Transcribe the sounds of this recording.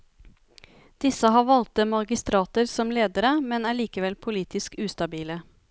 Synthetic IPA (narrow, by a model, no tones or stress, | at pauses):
d̪̥ɪsəhɑːʋɑlt̪əmɑɾɡɪst̪ɾɑːt̪əɾsɔmleːd̪əɾəmɛnæːɭiːkəʋɛlpʰʊliːt̪ɪskʉːst̪ɑbiːlə